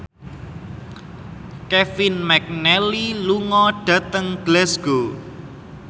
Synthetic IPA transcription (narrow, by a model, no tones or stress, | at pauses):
kɛfɪnmɛk̚nɛliluŋɔɖ̥ä̤t̪əŋɡ̥lɛsɡ̥o